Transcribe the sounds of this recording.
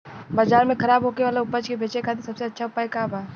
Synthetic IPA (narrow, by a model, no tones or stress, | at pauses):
baːd͡ʒaːɾmẽkʰɐɾaːbɦokeʋaːleʊpəd͡ʒkebʱeːt͡ʃekʰaːt̪̬esɐbseɐtːʃʰaʊpaːjkaːbaː